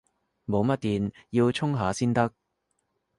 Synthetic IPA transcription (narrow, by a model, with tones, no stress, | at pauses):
mo˨˧wmɐ˥t̚t̪iː˨njiː˧wt͡ʃʰʊ˥ŋɦaː˨˧siː˥nt̪ɐ˥k̚